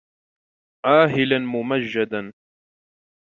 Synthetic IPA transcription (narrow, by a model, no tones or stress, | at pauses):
ʔaːɦɪlanmʊmaʒːad̪an